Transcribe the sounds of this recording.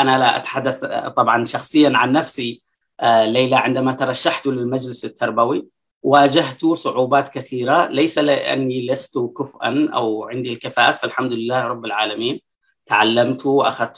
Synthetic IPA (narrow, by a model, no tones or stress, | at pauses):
ʔanalaʔa̰t̪ħad̪ːaθt̪ˤɑbʕɑnʃɑxsˤɨjːanʕanːafsi | lejlaʕɪnd̪amat̪ɑɾˤɑʃːaħt̪ʊlɪlmad͡ʒlɪsɪt̪ʰːɑɾˤbawi | waːd͡ʒaht̪usˤʊʕuːbaːt̪kaθiːɾalajsalɪʔa̰nːilast̪ʊkʊfʔa̰nʔa̰wʕɪnd̪ilkafaːʔaːt̪falħamd̪ʊlɪlːaːhɾˤɑbːɪlʕaːlamiːn | t̪aʕalːamt̪ʊʔa̰xat̪